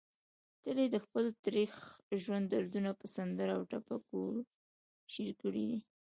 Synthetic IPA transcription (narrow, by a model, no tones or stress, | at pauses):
t̪əled̪əxpəlt̪ɾixʒwand̪aɾd̪unapəsand̪əɾaawʈapako | ʃiɾkəɽḭd̪i